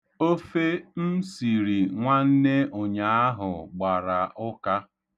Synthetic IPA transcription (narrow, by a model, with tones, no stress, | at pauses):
o˦fe˦n̩˦si˨ɾi˨ŋʷa˦n̩˦ne˦o˨ɲa˨a˦ɦʊ˨ɡ͡ba˨ɾa˨ʔʊ˦ka˦